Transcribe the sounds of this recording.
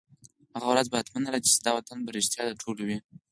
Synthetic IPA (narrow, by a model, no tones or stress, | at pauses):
haɣawɾazbaat̪manalat͡ʃe̥sd̪ɑwat̪anbaɾɪʃt̪jɑd̪əʈʰolowi